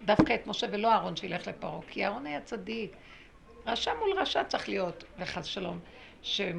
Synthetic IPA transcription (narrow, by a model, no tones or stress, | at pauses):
d̪afkaet̪mo̞ʃe̞velo̞aːʁo̞nʃeile̞χle̞paʁo̞kʰːiaːʁo̞najat͡sadik | ʁaʃamulʁaʃat͡saχlijo̞tveχazʃalo̞m | ʃe